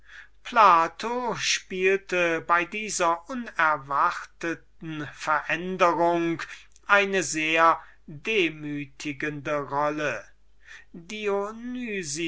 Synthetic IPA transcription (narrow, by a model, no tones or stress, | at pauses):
pʰlaːtʰoʃpiːltəbaɪdiːzɐʔʊnɛɐvaʁtətn̩fɛɐʔɛndəʁʊŋk | ʔaɪnəzeːɐ | deːmyːtʰɪɡəndəʁɔlə | dionyːzi